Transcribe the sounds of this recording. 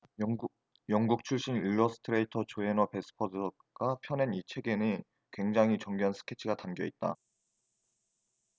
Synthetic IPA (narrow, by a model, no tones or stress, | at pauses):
jʌŋɡuk̚t͡ɕʰuɭɕ͈iniɭːʌsʰɯ̥tʰɯɾe̞itʰʌt͡ɕoenʌpe̞sʰɯ̥pʰʌd | ɡ̥apʰjʌnenit͡ɕʰe̞ɡe̞nɯn | kwe̞ŋd͡ʑaŋɦit͡ɕʌŋɡoɦansʰɯ̥kʰe̞t͡ɕʰiɡatamɡjʌit̚t͈a̰